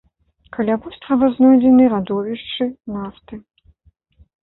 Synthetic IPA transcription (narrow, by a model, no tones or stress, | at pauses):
kʰalʲabusʲt̪ʲʁɐvɨznɔjd͡zʲɛnɨɾad̪ɔvʲiʂt͡ʂɨnaft̪ɨ